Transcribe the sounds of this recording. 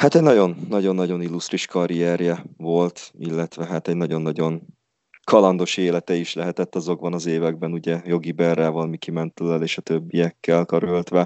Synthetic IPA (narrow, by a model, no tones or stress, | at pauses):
haːt̪ɛɟnɒɟo̞nːɒɟo̞nːɒɟo̞nilːust̪riʃkɒɾijɛrjɛvo̞lt̪ḭlːɛt̪ʋɛɦaːt̪ɛɟnɒɟo̞nːɒɟo̞n | kʰɒlɒnd̪o̞ʃeːlɛt̪ɛiʃlɛɦɛt̪ɛt̪ːɒzo̞ɡ̚bɒnɒzeːvɛɡ̚bɛnuɟɛjo̞ɡibɛrːaːvɒlmikimɛnt̪ølɛleːʃɒt̪øbːijɛkːɛlkøɾølt̪ʋɛ